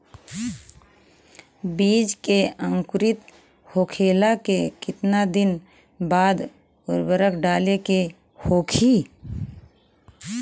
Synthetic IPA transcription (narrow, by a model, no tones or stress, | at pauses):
biːd͡ʒkeə̃ŋkʊɾɪt̪ | hoːkʰeːlakekɪt̪nad̪ɪn | baːd̪ | ʊɾbəɾəkʰɖaːleke | hoːkʰiː